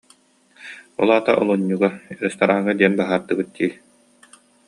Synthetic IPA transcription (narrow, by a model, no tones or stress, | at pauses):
ɔ̰lˠaːt̪aʔɔ̰lˠuɲːuɡaɛɾɛst̪aɾaːŋad̪iɛnbaɦaːɾd̪ɯbɯt̪̚ːiː